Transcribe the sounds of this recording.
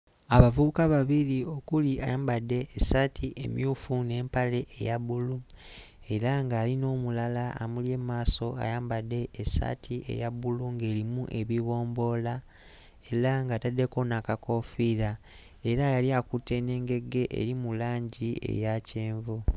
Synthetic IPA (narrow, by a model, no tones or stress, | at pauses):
aβavuβukaβaβiɾio̞kuliʔa̰jaːmbadːe̞ːsatʰiʔḛmjuːfune̞ːmpale̞ʔejaβulu | e̞ɾaŋɡaːlino̞ːmulala̰ːmuljeːmaːso̞a̰jaːmbadːe̞ʔːsa̰tʰiʔe̞̰jaβuluŋɡe̞ːɾimuʔe̞βiβo̞ːmbo̞la | e̞ɾaŋɡatadːe̞ko̞nakako̞fiːɾa | e̞ɾajaliakutːe̞ne̞ːŋɡe̞ɡe̞ʔḛɾimulaːɲɟiḛjace̞ːɱvu